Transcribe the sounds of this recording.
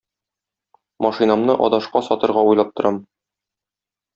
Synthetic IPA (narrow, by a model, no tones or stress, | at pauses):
mɒʃinɑmnɤʔɒ̰d̪ɑʃqɑsɒt̪ɤ̆ɾʁɑujlˠɑp̚t̪ŏɾʔɑm